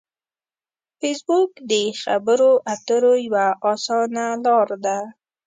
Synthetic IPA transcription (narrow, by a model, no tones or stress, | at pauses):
fesbukd̪əxabəɾoʔat̪əɾojwaʔɑsɑnalɑɾd̪a